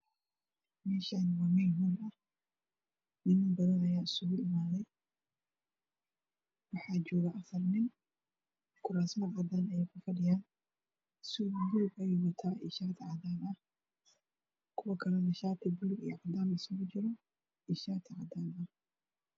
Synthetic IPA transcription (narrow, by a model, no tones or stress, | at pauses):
mɛːʃanwaːmɛjɦʊːnɐ | nɪnbɐðɐnɐjaːɪsʊɣʊʔɪmaːðɛj | wɑħɑːd͡ʒɔːɣɐʔɐfɐrnɪn | kʰʊɾaːsmɐʕɑd̪aːnɐjɛjkʰʊfɐɖɪjaːn | sʊduːbɛjɣʊt̪ʰaːʔɪʃaːt̪ʰɪʕɑd̪aːnʔɐ | kʰʊwɐkʰɐlɛnɐʃaːt̪ʰɪbʊlʊɡijɔʕɑd̪aːmɪsʊɣʊt͡ʃɪɾɔ | ɪʃaːt̪ʰɪʕɑd̪aːnɐ